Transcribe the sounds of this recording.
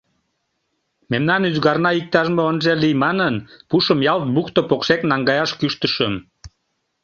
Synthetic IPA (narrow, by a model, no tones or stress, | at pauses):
memnɑnyzɣɑrnɑik̚t̪ɑʒmoonʒelijmɑnənpuʃəmjɑlt̪̚bukt̪opokʃeknɑŋɡɑjɑʃkyʃt̪əʃəm